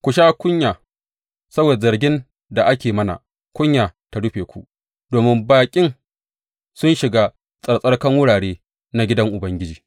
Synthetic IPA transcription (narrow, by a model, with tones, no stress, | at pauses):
kʷʊ˨ʃaː˦kʷʊ˦ɲjaː˨ | sɐ˦boː˨zɐ˨rɡʲɪ˦n | da˨ʔa˦kʲeː˨mɐ˦na̰˨ | kʷʊ˦ɲjaː˨ta˦ɽʊ˦ɸeː˨kʷṵ˦ʔ | doː˨mɪ˦mbaː˨kʲʼɪ˦ŋ | sʊ˦nʃɪ˨ɡa˦ | sʼɐ˨ɽsʼɐ˦ɽkɐ˦ŋwʊ˦ɽaː˨ɽeː˦ | na˦ɡʲɪ˦dɐ˦ŋʔʊ˨bɐ˦ŋɡʲɪ˦d͡ʒiː˨